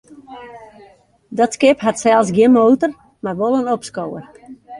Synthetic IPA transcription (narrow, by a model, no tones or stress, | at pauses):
dɔtskɪpɦatsɛlˠsɡjɪənmoːtər | marʋolˠənɔpskowə̰r